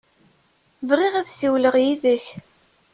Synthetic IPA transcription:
vʁiʁæðsiwləʁjiðəç

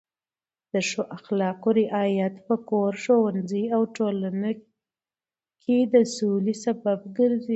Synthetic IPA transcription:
d̪̥əʃoʔaxlɑqoɾɪʔɑjat̪pəkoɾʃowanzəjawʈolana | kʰed̪əsulisabab̚ɡəɾzi

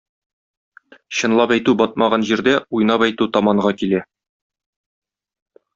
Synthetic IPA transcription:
ɕɤ̆nlˠɑpæjt̪ubɒt̪̚mɑʁɑnʑiɾd̪æujnɑpɒjt̪ʉt̪ɒmɑɴʁɑkilæ

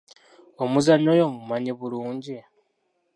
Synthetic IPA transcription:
omuzanːojomumaɲiβuluːɲɟi

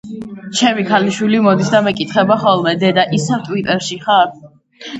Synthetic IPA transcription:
t͡ʃʰɛmikʰaliʃwilimɔd̪isd̪amɛkʼit̪χɛbaχɔlˠmɛd̪ɛd̪aʔisɛvt̪ʼwit̪ʼɛɾʃiχaɾ

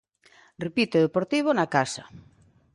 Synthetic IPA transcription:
repit̪oðepoɾt̪iβ̞onakasa

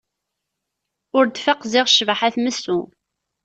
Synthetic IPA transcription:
ʊɾd̪fəqzɪʁʃvaħaθməsːʊ

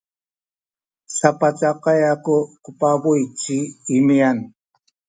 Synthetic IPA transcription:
sapat͡saqɑjakʊkʊpabʊjt͡ʃiɪmian

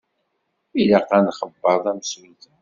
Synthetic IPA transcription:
ilaqːænχəbːəɾˤðˤæməswit̪

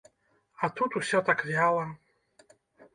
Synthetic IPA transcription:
at̪ut̪uɕɔt̪akvʲjawa

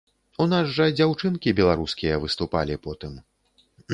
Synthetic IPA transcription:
unazʐɐd͡zʲawt͡ʂɨnkʲibʲɛlˠaɾuskʲijɐvɨst̪upa̰lʲipɔt̪ɨm

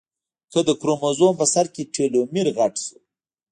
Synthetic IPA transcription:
kəd̪əkɾomozompəsaɾkeʈʰelomiɾɣaʈsu̥

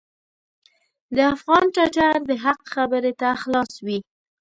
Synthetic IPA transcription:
d̪əafɣɑnʈaʈaɾd̪əɦaqxabəɾet̪axlɑswi

